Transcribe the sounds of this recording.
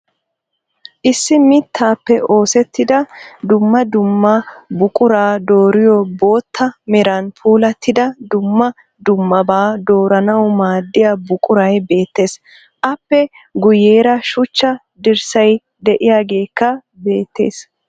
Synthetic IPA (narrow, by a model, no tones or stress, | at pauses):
ʔɪsːɪmɪt̪ʰːaːpːɛʔo̞ːsɛt̪ːɪd̪ɐd̪ʊmːɐd̪ʊmːɐbʊkʼʊɾaːd̪o̞ːɾɪjɔbo̞ːt̪ːɐmɛɾanpʰuːlɐt̪ʰːɪd̪ɐd̪ʊmːɐ | d̪ʊmːɐbaːd̪o̞ːɾɐnɐwmaːd̪ːɪjabʊkʼʊɾɐjbe̞ːt̪ːe̞ːs | ʔɐpːɛ | ɡʊje̞ːɾɐʃʊt͡ʃːɐ | d̪ɪɾsɐj | d̪ɛʔɪjaːɡe̞ːkːɐ | be̞ːt̪ʰːe̞̰ːs